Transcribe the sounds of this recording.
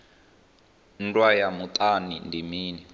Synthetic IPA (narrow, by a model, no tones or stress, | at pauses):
n̩dwajamut̪ʼanindimiːni